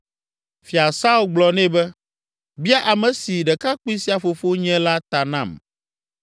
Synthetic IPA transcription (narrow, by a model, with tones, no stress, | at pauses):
fi˨a˨sa˦u˦lɡ͡blɔ˨nɛ̃˦bɛ˦ | bi˦a˦ʔa˨mɛ̃˨si˨ɖɛ˨ka˦k͡pu˦i˦si˦a˨fo˨fo˦ɲɛ̃˦la˦t̪a˨nã˨m